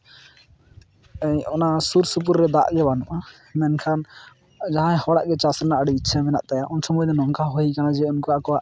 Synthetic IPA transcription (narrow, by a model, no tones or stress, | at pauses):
ɛjɔnasuɾsup̬uɾːɛd̪aʔɡɛbanɔʔa | mɛnkʰan | d͡ʒaɦãɛhɔɽa̰ʔɡɛt͡ʃasɾɛnaʔəɽiitːsʰamɛna̰ʔt̪ajaʔɔnsɔmɔjnɛnɔŋkʰaɦoikanad͡ʒɛunkɔaʔkɔwaʔ